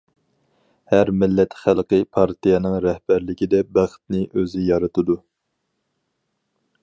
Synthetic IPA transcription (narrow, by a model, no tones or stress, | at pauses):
hæɾmɪlːɛt̪χælˠqɨpʰɑɾt̪ʰijɛnɨŋɾɛhb̥æɾlɪkʲid̪ɛbæχt̪nɪʔøzɪjɑɾɨt̪ʰɨd̪u